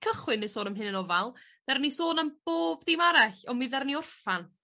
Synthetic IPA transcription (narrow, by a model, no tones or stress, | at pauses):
kʰəχwɪnəsoːnəmɦɪnənɔvalˠð̥ɛrnisoːnəmb̥oːbd̥imaɾaɬɔmiðɛrniʊrfan